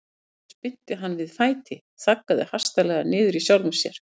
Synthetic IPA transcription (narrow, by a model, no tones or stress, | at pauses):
spɪt̪ːɪɦanːvɪðfaːjt̪ʰɪ | θakːaðɪhar̥st̪alɛɣanɪːðʏɾisjawlʏmsjɛ̰ɾ̥